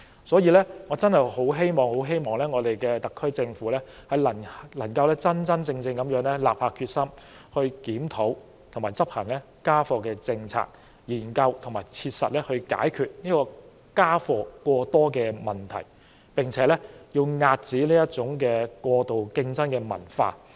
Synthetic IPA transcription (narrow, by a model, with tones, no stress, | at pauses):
sɔː˨˥jiː˨˧lɛː˥ŋɔ˨˧t͡sɐ˥nhɐ˨jho˨˥wɦe˥jmɔː˨˩ŋho˨˥wɦe˥jmɔː˨ŋlɛː˥ŋɔː˨˧t̪e˨jkɛː˧t̪ɐ˨˩kʰːɵ˥ɥt͡sɪ˧ŋfuː˨˥lɛː˥hɐ˨jlɐ˨˩ŋlɐ˨˩ŋkɐ˧wlɛː˥t͡sɐ˥nt͡sɐ˥nt͡sɪ˧ŋt͡sɪ˧ŋkɐ˨˥mjœː˨˥ŋlɛ˥laː˨p̚faː˧kʰyː˧t̚sɐ˥mhɵ˧ɥkiː˨˥mt̪ʰo˨˥w | t̪ʰʊ˨˩ŋmaː˨˩jt͡sɐ˥p̚hɐ˨˩ŋlɛː˥ | kaː˥fɔː˧kɛː˧t͡sɪ˧ŋt͡sʰa̰ː˧k̚ | jiː˨˩nkɐ˧wt̪ʰŋmaː˨˩jt͡sʰiː˧t̚sɐ̰˨t̚lɛː˥hɵ˧ɥka̰ː˨˥jkʰyː˨˧t̚niː˥kɔː˧ | kaː˥fɔː˧kwɔː˧t̪ɔː˥kɛː˧mɐ˨˩nt̪ʰɐ̰˨˩j | pɪ˨ŋt͡sʰɛː˨˥lɛ˥ji˧wŋaː˧t̚t͡siː˨˥liː˥jɐ˥t̚t͡sʊ˨˥ŋkɛː˧kʷɔː˧t̪o˨wkɪ˧ŋt͡sɐ˥nkɛː˧mɐ̰˨˩nfa̰ː˧